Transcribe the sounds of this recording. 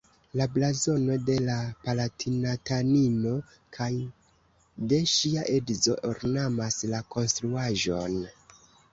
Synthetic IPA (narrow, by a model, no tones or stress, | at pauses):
lablazo̞no̞de̞lapalatʰinatanino̞ | kʰaj | de̞ʃiaʔedzo̞̰ʔoɾnamaslako̞nstɾuaʒo̞n